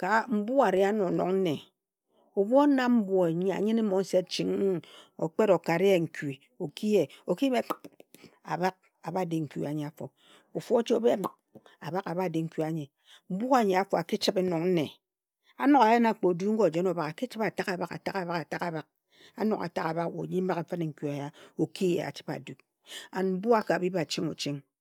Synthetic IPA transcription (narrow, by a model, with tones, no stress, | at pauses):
ka˨m̩˦bu˦ɣa˨ɾe˦a˦no˨no˨ŋn̩˦ne˨ | o˨bo˦na˦m̩˦bwo˨e˨ɲ˦a̰˨ɲɨ˦ne˦mo˨˦n̩˦se˦t͡ʃi˨ŋ˦˨o̰˨k͡pe˦ɾo˨ka˨ɾi˦e˨ŋ̩˨ki˨ | o˨ki˦e˨o˨ki˦be˦k͡pa̰˨ba˦k̚ | a˨ba˦de˨ŋ̩˨kḭ˨a˨ɲe˨a˨fo˨ | o˨fo˦t͡ʃi˦o˦be˦k͡p | a̰˨ba˦ka˨ba˦˨de˨ŋ̩˦ki˦a˨ɲe˨ | m̩˦bu˦a˦˨ɲe˨a˨fo˨a˨ki˦t͡ʃi˦pe˦no˨ŋn̩˦ne˨ | a˨no˦ka˨ja˦na˨k͡po˨du˦ŋ̩˦ko˦˨d͡ʒe˦no˨ba˨ka˨ki˦t͡ʃi˦pa˨ta˦ka˨ba˦ka̰˨ta˦ka˨βa˨ka˨ta˦ka˨βa˦k̚ | a̰˦no̰˨ka̰˨ta˦ka˨ba˦kwo̰˨ɲi˦m̩˦ba˦k̩˨˦fa˦ne˨ŋ̩˨ku˨a˨ja˦o˨ki˦jḛ˨a̰˨t͡ʃi̥˦pa̰˨du˨k̚ | a˨m̩˦bu˦a˦ka˨bi˦ba˦˨t͡ʃi˦ŋo˨t͡ʃi˦ŋ